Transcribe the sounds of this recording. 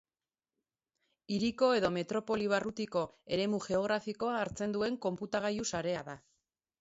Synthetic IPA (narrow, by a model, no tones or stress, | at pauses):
iɾiko̞e̞ðo̞me̞t̪ɾo̞po̞liβ̞arut̪iko̞e̞ɾe̞muxe̞o̞ɣɾafiko̞aːɾt͡se̞nd̪ue̞ŋko̞mput̪aɣ̞ajusaɾe̞aða